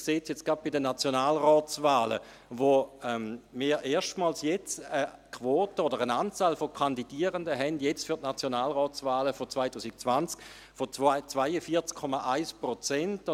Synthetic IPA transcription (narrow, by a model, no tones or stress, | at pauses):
kseːt͡sjɛt͡sɡ̥ʁap̚b̥idənat͡sjonaːlʁɔːt͡svaːlə̰ | ʋoɛmmiːʁʔeːɐʃtmaːlsjɛt͡səkʰʋoːtəodəʁənaːnt͡saːlfokʰandidiːəʁəndəɦɛndjɛt͡sfytnat͡sjonaːlʁɔːt͡svaːləfot͡svaɪtʰuːsik̚t͡svant͡sk | fot͡st͡svaɪəfiːɐt͡skʰːɔmaʔaɪspʁot͡sɛnt